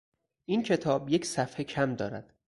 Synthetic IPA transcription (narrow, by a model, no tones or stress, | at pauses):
ʔincʰe̞t̪ʰɒːbje̞cʰsæfhecʰæmd̪ɒːɾæd̪̥